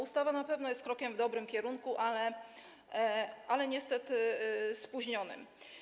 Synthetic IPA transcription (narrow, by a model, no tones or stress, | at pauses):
ust̪avanapɛvn̪ɔjɛst̪̚kɾɔkʲɛmvd̪ɔbɾɘmkʲɛɾuŋkuʔalɛ | ʔalɛɲɛst̪ɛt̪ɘspuʑɲɔnɘ̰m